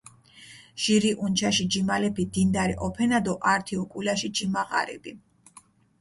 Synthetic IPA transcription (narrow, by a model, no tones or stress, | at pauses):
ʒ̥iɾiʔunt͡ʃʰaʃid͡ʒimalɛpʰid̪ind̪aɾiʔɔpʰɛnad̪ɔʔaɾt̪ʰiɔkʼulaʃid͡ʒimaʁa̰ɾɛ̰bi